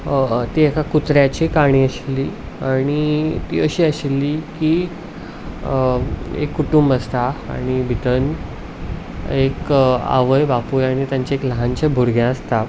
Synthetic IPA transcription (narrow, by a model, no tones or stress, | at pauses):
t̪iekakut̪ɾjat͡ɕikaɽ̃iːəɕlːiː | aɽ̃it̪ḭːəɕiːəɕlːiki | ḛkːuʈumbəst̪aa̰ɽ̃ibʱit̪ən | eka̰ʋəjbapujaɽ̃it̪jaɲt͡ɕaekləɦaɲt͡ɕabʱuɾɡjãəst̪a